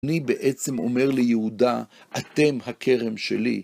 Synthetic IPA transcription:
nibeʔe̞t͡se̞mo̞̰me̞ʁlejeuda | ʔat̪e̞mhakʰe̞ʁe̞mʃelḭ

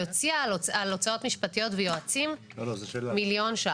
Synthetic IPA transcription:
jot͡siaalot͡sao̞t̪miʃpat̪ijo̞t̪vejoat͡sim | ooemiljo̞nʃa

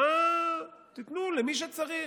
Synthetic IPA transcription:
a | t̪it̪nulemiʃ̬et͡saʁi

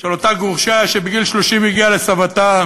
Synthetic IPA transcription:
ʃelot̪aɡuʁʃaʃebiɡilʃloʃimjiɡiale̞savat̪a

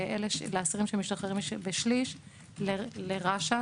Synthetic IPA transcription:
ʔeleʃleasiʁimʃemiʃt̪oχeʁimʃbeʃliʃ | leleʁaʃa

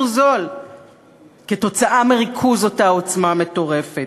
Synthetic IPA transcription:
zo̞l | keto̞t͡saʔameʁikʰuzo̞tao̞t͡smame̞to̞ʁe̞fet

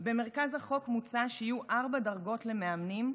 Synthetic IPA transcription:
be̞me̞ʁ̞kazhaχo̞kmut͡saʃeijuʔaʁbadaʁɡo̞tle̞meamnim

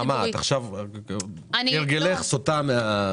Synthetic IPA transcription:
mataχʃav | neʁɡeleχsot̪amea

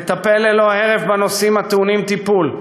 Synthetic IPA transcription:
t̪apelelo̞heʁevbano̞simat̪eunimt̪ipul

